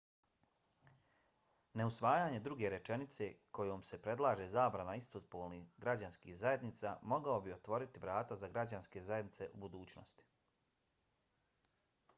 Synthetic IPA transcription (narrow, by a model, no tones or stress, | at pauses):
ne̞usʋaːjaːɲe̞d̪ɾuɡe̞ɾe̞t͡ʃe̞nit̪se̞ko̞joːmse̞pɾe̞d̪lˠaːʒezaːbɾanaist̪ozpoːlˠniɡɾad͡ʑanskḭːhzaje̞d̪nit̪saːmo̞ɡaobiot̪ʋo̞ɾit̪iʋɾaːt̪azaɡɾad͡ʑanske̞zajed̪nit̪se̞ʔubud̪uːt͡ɕno̰st̪i̥